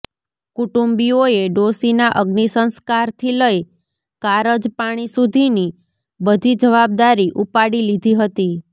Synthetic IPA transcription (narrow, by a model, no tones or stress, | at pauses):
kuʈumbioeɖosinaʔəɡnisənskaɾt̪ʰiləj | kaɾəd͡ʒpaɽ̃isud̪ʱini | bəd̪ʱid͡ʒəʋab̚d̪aɾiʔupaɽilid̪ʱiɦət̪i